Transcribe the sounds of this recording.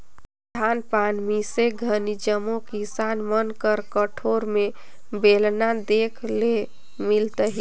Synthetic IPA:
d̪ʰʱanpanmiseɡʱənid͡ʒəmokisanmənkəɾkəʈʰoɾme | belnad̪ekʰle | milt̪əɦi

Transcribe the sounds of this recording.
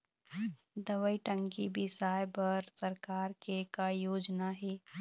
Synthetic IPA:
d̪ɐʋəiʈə̃ŋkibʱisaːjbɐɾsɐɾkaːɾkekajoːd͡ʒnaɦɛː

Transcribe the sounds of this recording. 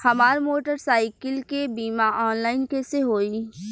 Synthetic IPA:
hɐmaːɾmoːʈəɾsaːɪkɪlkebiːmaʔɔːnlaːɪnkeseɦoːi

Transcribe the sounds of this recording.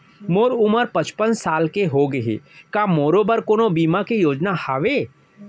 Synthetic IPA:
moːɾʊməɾpət͡ʃpənsaːlkeɦoɡəɦḛːkamoːɾobəɾkoːnobiːmakejoːd͡ʒnahɐʋeː

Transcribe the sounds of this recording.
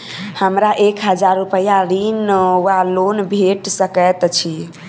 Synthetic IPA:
həmɾaʔekɦəd͡ʒaɾːupəjaɾinwalonbʱeʈsəkət̪t͡ʃʰi

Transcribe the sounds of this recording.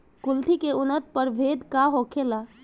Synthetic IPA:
kʊlʈ̪ʰikeʊnət̪̚pəɾbʱed̪kaɦokʰela

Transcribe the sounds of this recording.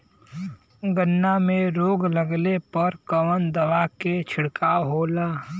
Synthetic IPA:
ɡənːamẽɾoːɡləɡlepəɾkəʋənd̪ɐʋaket͡ʃʰɪɽkaːɦoːlaː

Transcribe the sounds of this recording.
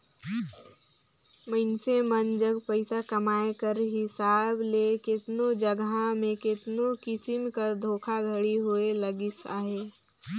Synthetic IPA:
məɪnsemənd͡ʒəɡpəɪsakɐmaːekəɾɦɪsaːblekɪt̪nod͡ʒəɡamẽkɪt̪nokɪsɪmkəɾd̪ʱoːkʰaɡʱɐəɽiɦuelɐɡɪsaːɦeː

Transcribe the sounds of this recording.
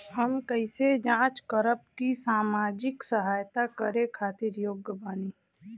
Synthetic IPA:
həmkəɪsed͡ʒãːt͡ʃkəɾəp̚kisaːmaːd͡ʒɪksəɦaːjt̪akəɾẽkʰaːt̪ɪɾjoːɡjəbaːniː

